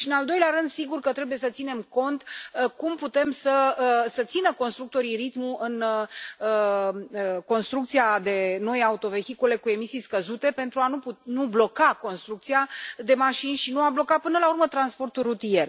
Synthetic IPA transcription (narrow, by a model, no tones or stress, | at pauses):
ʃinald̪o̞jleaɾɨnd̪siɡurkət̪ɾe̞buje̞sət̪sine̞mko̞nt̪kumput̪e̞msəsət̪sinəko̞nst̪ɾuk̚t̪o̞ɾirit̪muʔɨnəəko̞nst̪ɾukt̪siad̪e̞no̞jaut̪o̞ve̞xikule̞kue̞misijskəzut̪e̞pe̞nt̪ɾuanupunublo̞kako̞nst̪ɾuk̚t̪sijad̪e̞maʃinʲʃinuablo̞kapɨnəlaurmət̪ɾanspo̞rt̪ulrut̪ije̞r